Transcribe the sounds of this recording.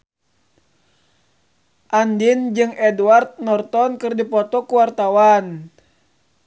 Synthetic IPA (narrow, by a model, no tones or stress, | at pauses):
ʔandind͡ʒɨŋɛduart̪̚nɔrt̪ɔnkɨrdipɔt̪ɔkuwart̪awan